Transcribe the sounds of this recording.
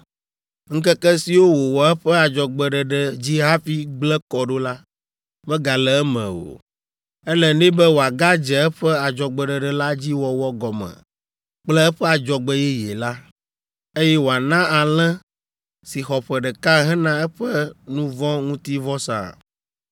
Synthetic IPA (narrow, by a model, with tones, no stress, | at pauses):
ŋ̩̃˦kɛ˦kɛ˦si˨wo˦wo˨wɔ˨ɛ˦ɸɛ˦a˨d͡ʒɔ˨ɡ͡bɛ˨ɖɛ˨ɖɛ˨d͡ʑi˦ɦã˦fi˦ɡ͡blɛ˦kɔ˨ɖo˦la˦ | bɛ˦ɡa˨lɛ˨ɛ˦mɛ̰̃˨o̰˨ | ɛ˦lɛ˨nɛ̃˦bɛ˦wo˨a˨ɡa˦d͡ʒɛ˨ɛ˦ɸɛ˦a˨d͡ʒɔ˨ɡ͡bɛ˨ɖɛ˨ɖɛ˨la˦d͡ʑi˦wɔ˨wɔ˦ɡɔ˨mɛ̰̃˨ | k͡plɛ˦ɛ˦ɸɛ˦a˨d͡ʒɔ˨ɡ͡bɛ˦jɛ˦jɛ̰˨la˦ | e˦jɛ˦wo˨a˨nã˦a˨lɛ̃˦ | si˨xɔ˨ɸɛ˨ɖɛ˨ka˦ɦɛ̃˦nã˦ɛ˦ɸɛ˦nũ˦vɔ̃˦ŋũ˦t̪i˦vɔ˦sã̰˨